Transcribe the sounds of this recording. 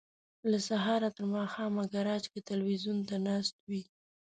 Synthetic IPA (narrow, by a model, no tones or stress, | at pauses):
lasaɦɑɾat̪əɾmɑxɑmaɡaɾɑd͡ʒket̪alwizunt̪anɑst̪̚wi